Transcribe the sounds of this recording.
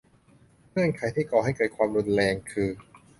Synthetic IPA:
mɯ˥˩ənkʰa˨˦jt̪ʰiː˥˩kɔː˨˩ɦa˥˩jkɤː˧˩kʰwaː˧mɾu˧nɾɛː˧ŋkʰɯː˧

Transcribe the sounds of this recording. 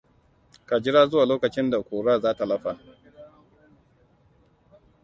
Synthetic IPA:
ka˨d͡ʒɪ˦ɽaː˦zʊ˦waː˨loː˦kɐ˨t͡ʃɪ˦nda˨kʷoː˨ɽaː˦˨zaː˦ta˨lɐ˦ɸa˨

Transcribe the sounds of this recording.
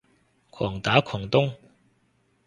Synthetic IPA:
kʰɔː˨˩ŋt̪aː˨˥kʰɔː˨˩ŋt̪ʊ˥ŋ

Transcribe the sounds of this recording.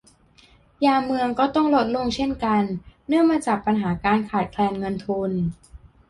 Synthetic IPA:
jaː˧mɯ˧əŋkɔː˥˩t̪ɔ˥˩ŋlo˦˥t̪̚lo˧ŋt͡ɕʰe˥˩nka˧nːɯ˥˩əŋmaː˧t͡ɕaː˨˩k̚pa˧nɦaː˩˦kaː˧nkʰaː˨˩t̪̚kʰlɛː˧nŋɤ˧nt̪ʰu˧n

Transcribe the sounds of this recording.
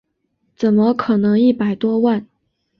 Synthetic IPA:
t͡sə˨˩nmə˦kʰɤ˨˩nɤ˧˥ŋi˥˩pa˨˩ɪt̪wɔ˥wa˥˩n

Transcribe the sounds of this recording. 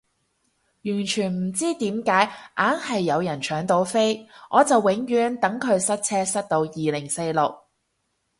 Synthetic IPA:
jyː˨˩nt͡ʃʰyː˨˩nm̩˨˩t͡siː˥t̪iː˨˥mkaː˨˥jʔaː˨˥nhɐ˨jːɐ˨˧wjɐ˨˩nt͡ʃʰœː˨˥ŋt̪o˧wfe˥jŋʔɔː˨˧t͡sɐ˨wːɪ˨˥ŋjyː˨˥nt̪ɐ˨˥ŋkʰɵ˨˧ɥsɐ˥t̚t͡sʰɛː˥sɐ˥t̚t̪o˧wjiː˨lɪ˨˩ŋse˧jlʊ˨k̚

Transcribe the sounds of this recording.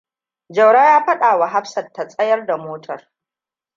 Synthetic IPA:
d͡ʒɐ˨wɽaː˦jaː˦ɸɐ˦ɗaː˨wa˨ɦa˦ɸsɐ˨tːa˨sʼɐ˦jɐ˦rda˨moː˦tʰɐ˨r

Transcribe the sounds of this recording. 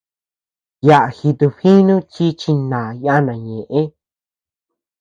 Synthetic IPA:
ja˧˨ʔa˨xi˧t̪u˧ɸi˦nũ˦t͡ʃi˦t͡ʃi˧nã˨ja˦˧nã˨ɲẽ˨ʔẽ˦

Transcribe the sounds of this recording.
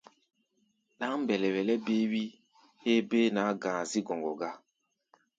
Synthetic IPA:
ɗa˦ŋm˦bɛ˨lɛ˨wɛ˨lɛ˦be˦wi˦ | he˦be˦nã˨˦ɡã˨zi˦ɡɔ̃˨ŋɡɔ˨ɡa˦

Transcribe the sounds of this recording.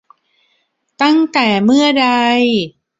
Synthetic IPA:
t̪a˥˩ŋt̪ɛː˨˩mɯ˥˩ɐda˧j

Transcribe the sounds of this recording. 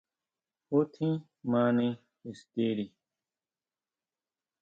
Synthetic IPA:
ho˦tʰĩ˦ | mã˦nẽ˦ | e˨ste˦ɾi˨

